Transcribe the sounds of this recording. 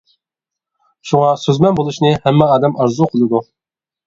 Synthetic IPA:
ʃuʁɑsøzmɛnbolˠuʃnɨhɛmːɛɑːd̪ɛmɑɾzuqʰəlˠɨd̪u

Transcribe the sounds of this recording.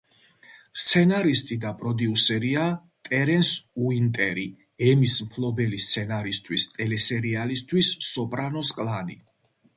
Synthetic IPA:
st̪sʰɛnaɾist̪ʼid̪apʼɾɔd̪iusɛɾia | t̪ʼɛɾɛnsuint̪ʼɛɾi | ɛmismpʰlˠɔbɛlist̪sʰɛnaɾist̪ʰwist̪ʼɛlɛsɛɾialist̪ʰwisːɔpʼɾanɔskʼlani

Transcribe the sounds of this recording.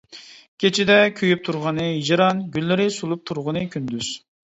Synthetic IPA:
kʲʰet͡ʃʰɪd̪ɛkʲʰyjyp̚t̪ʰuɾʁɑnɨɦid͡ʒɾɑnɡʲylːɪɾɪsulˠup̚t̪ʰuɾʁənɨkʲʰynd̪yz̥

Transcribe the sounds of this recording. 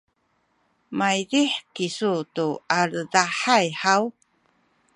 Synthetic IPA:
majdiħkisutuaɾədaħajħaw

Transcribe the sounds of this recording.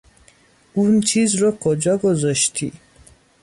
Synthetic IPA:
unt͡ʃʰizɾɔkʰod͡ʒɒɡozɔʃt̪ʰḭ

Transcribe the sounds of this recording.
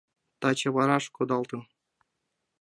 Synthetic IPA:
t̪ɑt͡ɕɤ̆βɑɾɑʂkŏd̪ɑlˠt̪ɤ̆m

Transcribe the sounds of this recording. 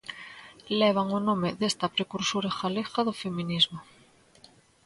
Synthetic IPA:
leβ̞aŋonõmeðest̪apɾekuɾsuɾaxalexaðofemĩnizmo

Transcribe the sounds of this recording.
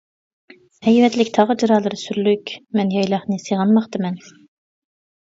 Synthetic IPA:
hɛjvɛt̪lɪkʲt̪ʰɑʁəd͡ʒɨɾɑːlˠɨɾɨsyɾlykʲmɛnjɑjlˠɑχnɨsɨʁɑnmɑχt̪ɨmɛn

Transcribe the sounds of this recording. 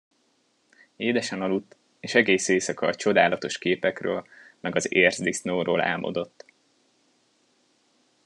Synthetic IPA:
eːd̪ɛʃɛnɒlut̪ː | eːʃɛɡeːseːsɒkɒːt͡ʃo̞d̪aːlɒt̪o̞ʃkeːpɛkrø̰ːlmɛɡɒzeːrzd̪isnoːɾoːlɛ̰lmʔo̞̰d̪o̞t̪ː

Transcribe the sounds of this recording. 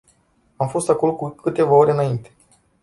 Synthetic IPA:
amfo̞st̪ako̞lo̞kukɨt̪e̞vao̞ɾe̞ɨnaint̪e̥

